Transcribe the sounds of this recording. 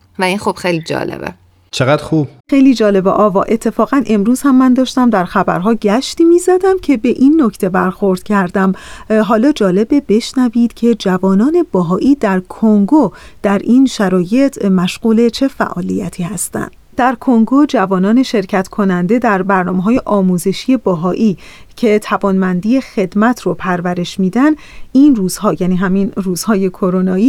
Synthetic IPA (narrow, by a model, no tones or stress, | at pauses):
væiːnxob̥xejlid͡ʒɒ̰ːlḛbḛ | t͡ʃʰeɣæd̪xuːb̥̚xejliːd͡ʒɒːle̞bḛʔɒːvɒːʔe̞t̪ʰːe̞fɒːɣænʔe̞mɾuːz̥hæmːænd̪ɒːʃt̪æmd̪æɾxæbæ̰ɾɦɒːɟæʃt̪iːmizæd̪æmcʰe̞be̞ʔinːo̞cʰt̪ʰe̞bæɾxoɾd̪̥cʰæɾd̪æmɦɒːlɒːd͡ʒɒːle̞bebe̞ʃnæviːd̪̥cʰe̞d͡ʒævɒːnɒːne̞bɒːɦɒːʔiːd̪æɾkʰoŋɡo | d̪̥æɾʔiːnʃæɾɒːje̞t̪ʰmæʃɢ̥uːle̞t͡ʃʰe̞fæ̰ʔɒ̰ːlḭjæt̪ʰiːhæst̪æ̰nd̪̥ | d̪̥æɾkʰoŋɡo̞d͡ʒævɒːnɒːne̞ʃe̞ɾcʰæt̪ʰkʰo̞nænd̪e̞d̪æɾbæɾnɒːmeɦɒːje̞ʔɒːmuze̞ʃije̞bɒɦɒːʔiːcʰe̞t̪ʰævɒːnmænd̪iːje̞xe̞d̪mæt̪ʰɾopʰæɾvæɾe̞ʃmiːd̪ænd̪ | inruːz̥hɒːjæːniːɦæminruːz̥hɒːje̞kʰo̞ɾonɒːiː